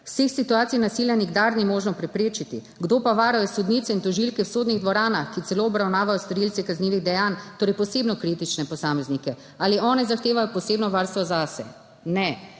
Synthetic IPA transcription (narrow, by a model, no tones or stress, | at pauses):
wsexsit̪uaːt̪sijnasiːljaniɡd̪aɾnimoːʒnɔpɾɛpɾeːt͡ʃit̪ḭ | ɡd̪oːpaʋaːɾajɔsud̪niːt̪sɛint̪ɔʒilkɛwsoːd̪niɣd̪ʋɔɾaːnaxkit̪ɛloːɔbɾawnaːʋajɔst̪ɔɾiltsikazniːʋiɣd̪ɛjant̪oːɾɛjpɔseːbnɔkɾit̪it͡ʃnɛpɔsaːmɛznikɛ | aːliʔɔːnɛzaxt̪eːʋajɔpɔseːbnɔʋaːɾst̪ʋɔzasɛ̰ | nɛ